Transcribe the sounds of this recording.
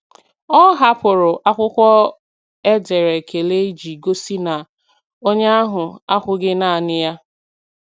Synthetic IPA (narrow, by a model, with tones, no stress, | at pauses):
ɔ˦ɦa˦pʊ˨ɾʊ˨ʔa˦kʷʊ˦kʷɔ˦ | e˦de˨ɾe˨kʰe˨le˦d͡ʒi˨ɡo˦si˦na˨ | o˦ɲe˦a˦ɦʊ˨a˦kʷʊ˦ɡɪ˦na˦˨a˨nɪ˦ja˦